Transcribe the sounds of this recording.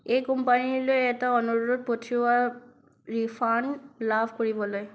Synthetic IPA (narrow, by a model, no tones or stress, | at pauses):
ejkɔmpanilojɛtaɔnuud̪̚pɔtʰiwa | ɹipʰanlabʰʱkɔɹibɔloj